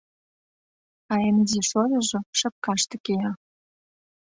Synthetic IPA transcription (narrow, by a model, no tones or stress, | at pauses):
ɑemziʃojɤ̆ʒɤ̆ʃə̆p̚kɑʃt̪ɤ̆kejɑ